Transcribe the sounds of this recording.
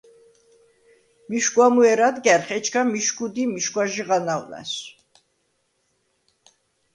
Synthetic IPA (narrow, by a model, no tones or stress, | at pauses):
miʃkwamuɛɾad̪ɡɛɾχɛt͡ʃʰkʰamiʃkud̪imiʃkʼwaʒiʁanawla̰s